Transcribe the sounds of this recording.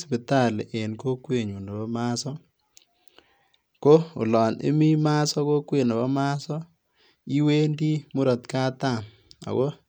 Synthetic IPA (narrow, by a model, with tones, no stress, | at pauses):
spi˨ta˦˨le˨ʔe˨nko˦kwe˨ɲo˨na˨bɔ˦ma˦sɔ˦ | ko˦ʊ̰˨lɔ˨nḛ˦mi˦ma˦sɔ˦ko˦kwe˨na˨bɔ˦ma˦sɔ˦ | i˦we˦ndi˦mʊ˦ɾɔ˨t̪ka˦ta˦˨m | a̰˨kɔ˦